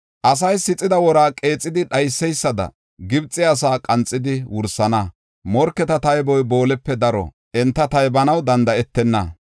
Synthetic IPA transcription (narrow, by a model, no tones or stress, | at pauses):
ʔɐs̬ɐjsɪt͡sʼːɪd̪ɐwɔɾaːkʼe̞ːt͡sʼːɪd̪ɪɗɐjsːɛjsːɐd̪ɐ̰ | ɡɪbt͡sʼːɪas̬aːkʼɐnt͡sʼːɪd̪ɪwʊɾsɐnɐ | mɔɾkːɛt̪ɐt̪ɐjbɔjboːlɛpːɛd̪ɐɾɔ̰ | ɛnt̪ːɐt̪ɐjbɐnɐwd̪ɐnd̪ɐɛt̪ːɛnːɐ